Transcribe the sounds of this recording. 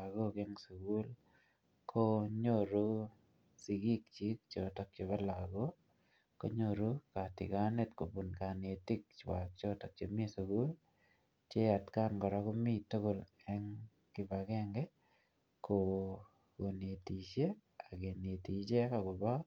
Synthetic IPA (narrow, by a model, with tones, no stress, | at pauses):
a˨ɡo˦ke˦ŋso˨ɡu˦l | kʰo˦ɲo˦ɾo˦ | si˨ɡi˦k̚t͡ʃi˦k̚t͡ʃɔ˨tɔ˦k̚t͡ʃe˨ba˦la˨ɡo˦ | ko˦ɲo˦ɾo˦ka˨tɪ̰˨ɡa˦ne˦tko˨bu˨nka˨ne˨ti˦kt͡ʃwa̰˨k̚t͡ʃɔ˦tɔ˨k̚t͡ʃe˨m˦e˦su˨ɡu˦l | t͡ʃe˦a˨tka˦nɡɔ˨ɾa˦ko˦mi˦to˦ɡo˨lɛ˦ŋ | kɪ˦ba˨ɡɛ˦ŋɡɛ˦ | kʰo˨ | ɡo˨n˨e˨ti˨t͡ʃe˦ | a˨ɡe˨ne˨ti˨t͡ʃe˦ka˨ɡɔ˨ba˦